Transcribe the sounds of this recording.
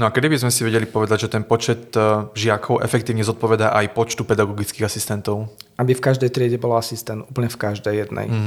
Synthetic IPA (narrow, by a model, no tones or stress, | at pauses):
nɔakɛd̪ibizmɛsiʋɛɟɛlipɔʋɛd̪aɟʒɛt̪ɛnpɔt͡ʃɛt̪ʒɪakʰɔʊʔɛ̰fɛkt̪iːʊɲɛzɔt̪̚pɔʋɛd̪aʔajpɔt͡ʃt̪upɛd̪aɡɔɡit͡skiːɣasist̪ɛnt̪ɔʊʔabifkaʒd̪ɛjt̪ɾɪɛɟɛbɔlaasist̪ɛnt̪uːpl̩ɲɛfkaʒd̪ɛjːɛd̪nɛ̰j